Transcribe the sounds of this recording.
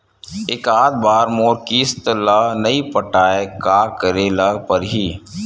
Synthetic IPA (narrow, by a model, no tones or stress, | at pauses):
eːkaːd̪̚baːɾmoːɾkiɪst̪ɪlaːnɐipəʈaːekaːkəɾeləɡpəɾɦiː